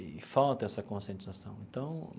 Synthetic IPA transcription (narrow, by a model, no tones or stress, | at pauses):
fawt̪ɐɛsɐkõsẽnt̪zasɐ̃w̃ẽnt̪ɐ̃w̃